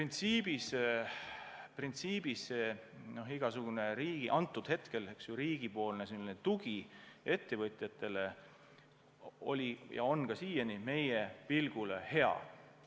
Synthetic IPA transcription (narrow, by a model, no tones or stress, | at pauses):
print̪siːb̥is | print̪siːb̥iseno̞ɦiɡ̥ɑsuɡ̥une̞ɾiːɡ̥iʔɑnt̪ːˑud̪̥he̞t̪ke̞leksjuɾiːɡ̥ipo̞ːlneselːinet̪uɡ̥ie̞t̪ːe̞vɤt̪ʲˑjɑt̪ːˑe̞le̞ | o̞̰lʲijɑ̰o̞nkɑsiːjɑnime̞jepilɡ̥ulehe̞ɑ̰